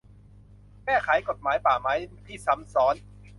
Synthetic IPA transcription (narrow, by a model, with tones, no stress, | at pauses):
mɛː˥˩kʰaː˩˦jko˨˩t̪̚maː˩˦jpaː˨˩maː˨˦˥jt̪ʰiː˥˩sa˨˦˥msɔː˦˥n